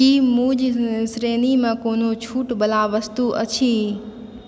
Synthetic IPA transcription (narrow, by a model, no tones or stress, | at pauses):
imũːd͡ʑsɾeːnimãkoːn̤ot͡ɕʰuːʈbɐlaːʋɐst̪uʔɐt͡ɕʰiː